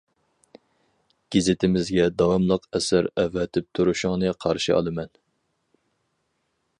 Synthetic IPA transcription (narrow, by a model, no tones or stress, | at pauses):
ɡ̥ʲezɪt̪ʰɪmɪzɡʲɛd̪ɑwɑmlˠəqɛsæɾɛvɛt̪ʰɪp̚t̪ʰuɾuʃʊŋnɨqʰɑɾʃɨɑ̰lˠɨmɛn